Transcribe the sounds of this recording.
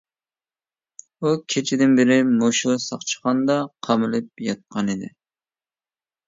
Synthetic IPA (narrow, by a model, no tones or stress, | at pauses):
ukʲʰet͡ʃʰɪd̪ɪnbɪɾɪmoʃusɑχt͡ʃʰə̥χɑnd̪ɑqʰɑmɨlɨp̚jɑt̪̚qʰɑnid̪ɪ̰